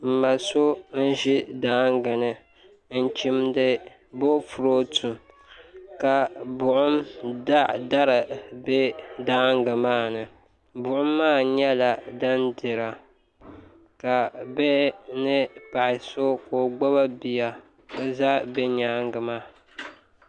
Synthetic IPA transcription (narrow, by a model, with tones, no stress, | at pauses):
m̩˨ma˨so˦n̩˦ʒi˦daː˦ŋɡɨ˨nɨ˨ | n̩˦t͡ʃi˦mdɨ˦ | bo˦fu˨ɾo˦tʰu˨ | ka˨bʊ˨ʔʊ˦ma˦da˦ɾɨ˨bɛ˦daː˦ŋɡɨ˨maː˦˨nɨ˨ | bʊ˨ʔʊ˦mːaː˦˨ɲɛ˦la˨da˦ndɨ˨ɾa˨ | ka˨bɛ˦nɨ˦pa˨ʔɪ˨so˦ko˨ɡ͡bɔ˦βa˦bi˨ja˨ | bɨ˦za˦bɛ˦ɲaː˦ŋɡɨ˨maː˦